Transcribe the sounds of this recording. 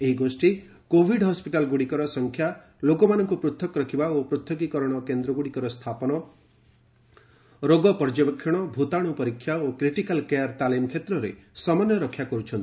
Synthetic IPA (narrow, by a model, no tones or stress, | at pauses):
eɦiɡosʈi | kobʱiɖɦɔspiʈalɡuɽikɔɾɔsɔŋkʰja | lokɔmanɔŋkupɾut̪ʰːɔkɾɔkʰibaopɾut̪ʰːɔkikɔɾɔɽ̃ɔkend̪ɾɔɡuɽikɔɾɔst̪ʰapɔnɔ | ɾoɡɔpɔɾd͡ʒɔbekʰːjɔɽ̃ɔbʱut̪aɽ̃upɔɾikʰːjaokɾiʈikalkeaɾt̪alimkʰjet̪ɾɔɾḛsɔmanjɔɾɔkʰːjakɔɾut͡ʃʰɔnt̪i̥